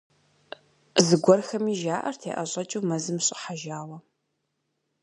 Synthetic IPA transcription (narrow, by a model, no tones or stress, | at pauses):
zɨɡʷɔrxɐmiːʒaːʔɐrtʰḛːʔɐɕʼɐt͡ʃʼuːmɐzɨmɕʼɪ̰ħaʒaːwɐ